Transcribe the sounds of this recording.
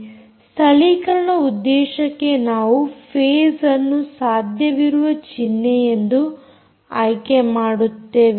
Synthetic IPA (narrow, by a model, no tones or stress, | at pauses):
st̪ʰɐɭikɐɾɐɳɐud̪ːɛːʃɐkːe̞naːʋupʰeːsɐnːusaːd̪ʱjɐʋiɾuʋɐt͡ʃinːejend̪u | ajkemaːɽut̪ːe̞ːʋi